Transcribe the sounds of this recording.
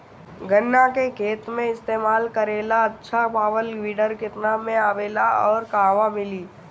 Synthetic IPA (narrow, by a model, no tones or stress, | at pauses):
ɡʱənːakekʰeːt̪mẽɪst̪eːmaːlkəɾeːlaɐtːʃʰabaːʋəlɡʋiːɖəɾkɪt̪namẽaːʋeːlaɔːɾkaːʋamɪliː